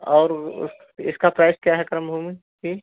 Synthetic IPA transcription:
ɔːɾʊ̰s | ɪskapɾaːskjaɦɛkɐɾəmbʱumi | kiː

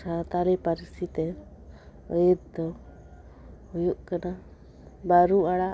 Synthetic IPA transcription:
sat̪aɾipaɾisit̪ɛ | əjid̪d̪ɔ | ujuʔkana | baɾuaɽa

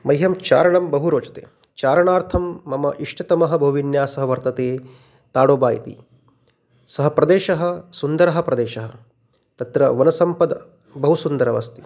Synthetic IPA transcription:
mɐjɦɐmt͡ʃa̰ːɾɐɳɐmbɐɦuɾoːt͡ʃɐ̥t̪ḛː | t͡ʃaːɾɐɳaːɾt̪ʰɐmːɐmɐʔiʂʈɐt̪ɐmɐɦɐ̆bɐɦuʋinjaːsɐɦɐʋɐɾt̪ɐt̪eː | t̪aːɽoːbaːjɐ̰t̪ḭ | sɐɦɐ̆pɾɐd̪eːʃɐɦɐ̆sund̪ɐɾɐɦɐ̆pɾɐd̪eːʃɐɦɐ̆ | t̪ɐt̪ɾɐʋɐnɐsɐmpɐd̪ɐ̰ | bɐɦusund̪ɐɾɐʋɐ̰st̪i̥

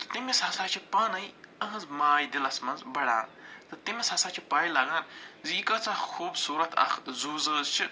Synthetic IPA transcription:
t̪ɨ̥t̪imeshɐsaːt͡ʃʰipaːnɐjɐɦɐzmaːjd̪ilɐsmɐnzbɐɽã̰ːnt̪ɨt̪imʲeshɐsaːt͡ʃʰipaːjilaːɡaːnziːkɐt͡sãːxoːbsuːɾɐt̪ʰɐ̰xzuːzəːzt͡ʃʰi

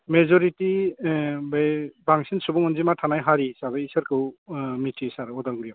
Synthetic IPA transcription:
mezɔɾiti | bajbaŋsinsubɔŋɔnzimatʰanajɦaɾisabajisaɾkʰɯwmitʰisaɾɔdalɡɾijaw

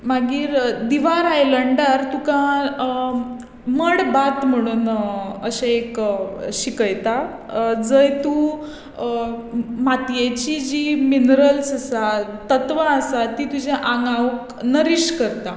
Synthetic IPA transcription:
maɡiːɾd̪iʋaɾajləɳɖaɾt̪ukã | məɽbat̪m̤əɽ̃uːnəɕeekɕikəjt̪a | d͡zəjt̪u | mat̪jet͡ɕid͡ʑiminɾəlsasat̪ət̪ʋaəsat̪it̪ud͡ʑeʔãŋɡaʋk | nəɾiɕkəɾt̪a

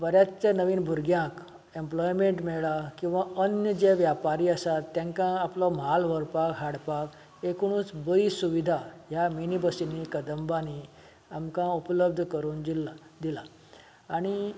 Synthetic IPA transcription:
bəɾjat̪t͡sẽnəʋiːnbʱuɾɡjãk | emplɔjmeɳʈmɛɭɭakĩw̃ʋaənjəd͡ʑeʋjapaɾiəsat̪ːjãŋkãːplɔmalʋəɾpakɦaɽpak | ekɽ̃ũːt͡sbəiːsuʋid̪ʱaɦjaminibəsinːikəd̪əmbani | amkãupləb̚d̪ʱkəɾuːnd̪ilad̪ilaː | ɽ̃i

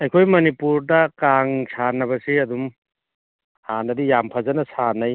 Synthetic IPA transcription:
ɐjkʰojmɐnipuɾdɐkaŋsʰanɐbɐsiɐdum | hanɐdijampʰɐzɐnɐsʰanɐj

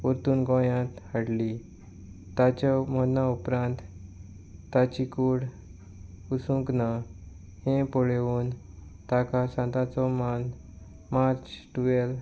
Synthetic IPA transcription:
uɾt̪uːnɡɔ̃jãt̪haɽli | t̪at͡ɕamənaupɾãnt̪ː | at͡ɕikuɽ | usũŋkna | hẽpɔɭeuːn | t̪akasãnt̪at͡sɔman | maɾt͡ɕʈuʋel

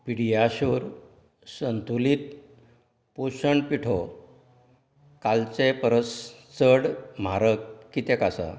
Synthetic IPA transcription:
piɽijaɕoɾ | sənt̪ʰulit̪̚ | poɕəɳɖpiʈʰɔ | kalt͡sepəɾəst͡səɽm̤aɾəkkːit̪ɛkasa̰

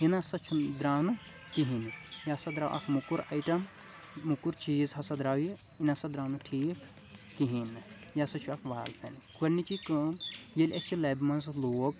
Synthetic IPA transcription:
inasɐt͡ʃʰud̪ɾaːnɨ | kiɦinjasɐd̪ɾaːwʔɐ̰kʰmukuɾɐ̰jʈɐmː | ukuɾt͡ʃiːzɦɐsɐd̪ɾaːwji | inasɐd̪ɾaːnɨʈʰiːk | kiɦinɨjasɐt͡ʃʰuɐkʰʋaːltʰɐnkuɐnit͡ʃikɐmjelʲɐst͡ʃilɐːbmɐnzloːk

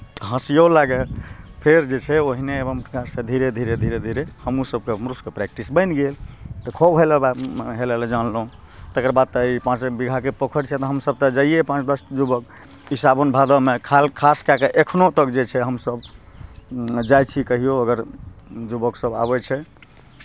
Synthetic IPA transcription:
t̪ɔɦə̃sijolaɡelpʰeɾd͡ʒet͡ʃʰɛoɦineebəmpɾəkaɾsẽd̪ʱiɾed̪ʱiɾed̪ʱiɾed̪ʱiɾehəmusəb̚kemɾuskepɾɛk̚ʈisbə̃ɪnɡelt̪ɔkʰobɦeleɦeleled͡ʒanlɦũ | t̪ekəɾbad̪̚t̪əipãt͡ʃbiɡʱakepəkʰəɽt͡ʃʰɛt̪ɔɦəmsəb̚t̪ɔd͡ʒaiepãt͡ʃd̪əst̪d͡ʒubək | ɦisabonbʱad̪əmekʰalkʰaskakeʔekʰnot̪əkd͡ʒet͡ʃʰɛɦəmsəb | d͡ʒajt͡ʃʰikəɦijoəɡəɾd͡ʒubəksəba̰bɛt͡ʃʰɛ

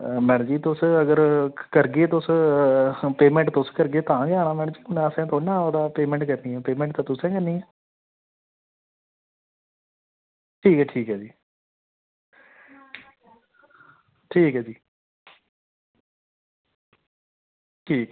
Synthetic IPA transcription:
mɛ̃ːɳd͡ʒiːt̪ʊsəɡəɾkəɾɡeːt̪ʊs | peːmɛ̃ːɳʈt̪ʊskəɾɡeːt̪ãːɡaːɽ̃aːmɛ̃ːɳ̃d͡ʒiːʊnɛ̃əsẽːt̪ʰonːãːəd̪aːpeːmɛ̃ːɳʈkəɾniːɛ̃ːpeːmɛ̃ɳʈ̚t̪ãːt̪ʊsẽːkəɾniːɛː | ʈʰiːkɛːʈʰiːkɦɛːd͡ʒiː | ʈʰiːkɦɛːd͡ʒiː | ʈʰiːk

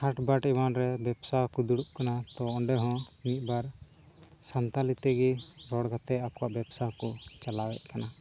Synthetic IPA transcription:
haʈbaʈibanɾɛbɛbsakud̪uɽuʔkanat̪ɔɔɳɖɛɦɔ̃mit̪̚ˀbaɾ | sant̪alit̪ɛɡiɾɔɽɡat̪ɛakɔwaʔbɛbsakɔt͡ʃalawɛʔ̪̚kana

